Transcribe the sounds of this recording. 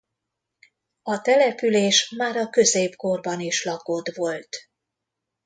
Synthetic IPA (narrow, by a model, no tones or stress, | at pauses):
ɒt̪ɛlɛpyleːʃmaːɾɒkø̞zeːbko̞rbɒniʃlɒko̞d̪ʋo̞lt̪